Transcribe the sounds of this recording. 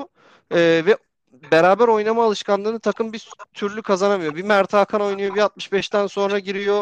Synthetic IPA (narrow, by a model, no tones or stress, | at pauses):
ɯːvɛ | beɾaːbæɾo̞jnamaːlˠɯʃkʰanlˠɯːnɯt̪ʰakʰɯmbit̪ʰyɾlʲykʰazanamɯjo̞bimæɾt̪ʰaːkʰano̞jnɯjo̞biat̪̚mɯʃbɛʃt̪ʰænso̞nɾaɟiɾijo̞